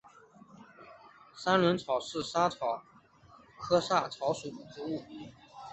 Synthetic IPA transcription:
sa˥nlwə˧˥nt͡sʰɑ˨˩ʊʂɻ̩˥˩ʂa˥t͡sʰɑ˨˩˦ʊ | kʰɤ˥sa˥˩t͡sʰɑ˧˥ʊʂu˨˩d̪ə˩ʈ͡ʂu˧˥u˥˩

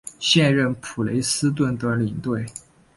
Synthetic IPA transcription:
ɕjɛ˥˧nɻə˥˩npʰu˨˩le˧˥ɪsɹ̩˥t̪̬wə˥˩nt̪ə˧˥li˨˩ŋt̪we˥˩ɪ

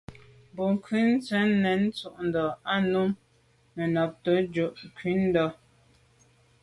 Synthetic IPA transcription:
bo˨ŋ˨kʰɥʉ˦n̩˦t͡sɛ˨˦nː˦ɛ˨˦n̩˦t͡su˦ʔn̩˨dɔ˨a˦nu˦mː | ɛ˨nɔ˨p̚tə˨˦d͡ʒo˨ʔŋ˨kɥi˨˦n̩˦dɔ˨

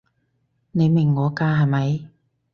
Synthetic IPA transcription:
ne˨˧jmɪ˨˩ŋːɔː˨˥kaː˥ɦɐ˨jmɐ˨˧j

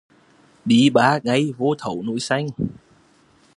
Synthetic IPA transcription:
ɗi˨˦ɓaː˨˦ŋa˧jvo˧t̪ʰə˨˩˦wnṵ˧˥jsa˧jŋ̟

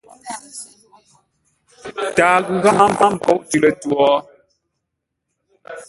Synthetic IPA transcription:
taː˨ɣu˨ɣa˦ma˦m̩˦ba˦m̩˨pɔ˦˨ʔtʉ˨lə˨twɔ˨˦

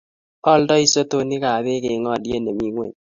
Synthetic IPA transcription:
ɔ˦ldɔ˦i˦˨so˦to˦nɪ˦ka˨be˦kɪ˨˦ŋɔ˦˨dje˦ne˨mi˦ŋwḛ˨ɲ

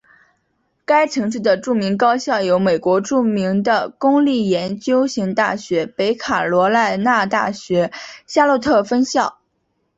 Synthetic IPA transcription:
ka˥ɪʈ͡ʂʰɤ˧˥ŋʂ̬ɻ̩˥˩d̪ə˩ʈ͡ʂu˥˩mi˧˥ŋkɑ˥ʊɕjɑ˥˩ʊjo˧˥ʊme˨˩ɪkwɔ˧˥ʈ͡ʂu˥˩mi˧˥ŋd̪ə˧kʊ˥ŋli˥˩jɛ˧˥nt͡ɕjo˥ʊɕi˧˥ŋt̪a̰˥˩ɕɥɛ˧˥pe˧˥ɪkʰa˨˩lwɔ˧˥la˥˧ɪna˥˧t̪a̰˥˩ɕɥɛ˧˥ɕja˥lɔ˥˧t̪ʰɤ˥˩fə˥nɕjɑ˥˩ʊ

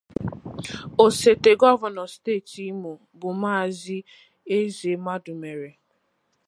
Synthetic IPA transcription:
o˨se˨te˨ɡɔ˦va˨nɔ˨steː˦˨ti˦mu˨ | bʊ˨maː˦˨zi˦ | e˦ze˨ma˦dʊ˨me˨ɾe˨

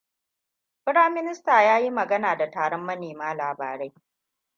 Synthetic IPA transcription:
pɪ˦ɽaː˦mːɪ˦nɪ˦staː˨jaː˦ji˦mɐ˨ɡɐ˦naː˨da˨taː˨ɽɔ˦mːɐ˦neː˨maː˦laː˨ba̰ː˨ɾe˦j

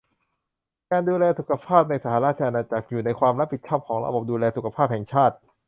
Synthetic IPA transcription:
kaː˧nduː˧lɛː˧su˨˩kʰa˧pʰaː˥˩p̚na˧jsa˧˩haː˨˦ɾaː˥˩t̪̚t͡ɕʰa˧ʔa˧naː˧t͡ɕa˨˩k̚juː˨˩na˧jkʰwaː˧mɾa˦˥pʰːi˨˩t͡ɕʰɔː˥˩p̚kʰɔː˩˦ŋɾa̰˧bo˨˩p̚duː˧lɛː˧su˨˩kʰa˧pʰaː˥˩p̚hɛ˨˩ŋt͡ɕʰaː˥˩t̪̚

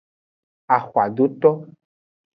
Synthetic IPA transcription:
a˨xwa˨ɖo˦t̪ɔ˦

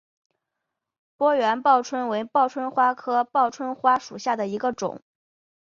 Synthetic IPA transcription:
pwɔ˥ɥɛ˧˥npɑ˥˩ʊʈ͡ʂʰwə˥nwe˧˥ɪpɑ˥˩ʊʈ͡ʂʰwə˥nxwa˥kʰɤ˥pɑ˥˩ʊʈ͡ʂʰwə˥nxwa˥ʂu˨˩ɕja˥˩d̪ə˩i˧˥ɡə˧ʈ͡ʂʊ̰˨˩˦ŋ

